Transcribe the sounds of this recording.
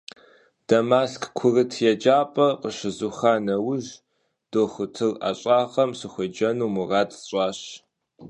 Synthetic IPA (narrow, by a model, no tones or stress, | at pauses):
d̥ɐmaːskʰkʷʰʊrɨtʰjɛd͡ʒaːpʼɐqəɕɪzuχaːnɐwʊʒ | d̥oːχʷʊtʰɨla̰ɕʼaːʁɐmɕɨxʷʊd͡ʒɐnuːmuraːtʼɕʼaːɕ